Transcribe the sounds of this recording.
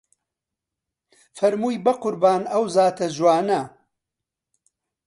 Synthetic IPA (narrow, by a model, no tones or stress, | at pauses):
fɐɾmuːjbɐqʊɾbaːnɐwzaːt̪ʰɐzwaːnɐ